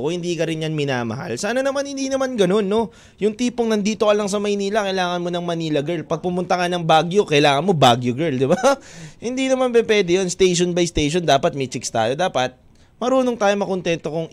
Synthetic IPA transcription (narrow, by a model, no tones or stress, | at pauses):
kohɪnd̪iːkɐɾɪnjanmɪnaːmɐ̰ha̰lsaːnɐnɐmanhɪnd̪iːnɐmanɡɐno̞nːo̞ | jʊŋt̪iːpoŋnɐnd̪iːt̪o̞ʔɐlaŋs̬ɐmɐjniːlɐkɐjlaːŋɐnmo̞nɐŋmɐniːlɐɡɛɹlpɐɡ̚pʊmʊnt̪ɐkanɐŋbaɡjokɐjlaːŋɐnmo̞baɡjoɡɛɹld̪ɪbahɪnd̪inɐmanbɛpwɛd̪ɛjonst̪ejʃ̬onbɐjst̪ejʃond̪aːpɐt̪̚mɛt͡ʃɪkst̪a̰ːjo̞d̪aːpɐt̪̚ | mɐɾuːno̞ŋt̪aːjomɐkont̪ɛnt̪o̞kʊŋ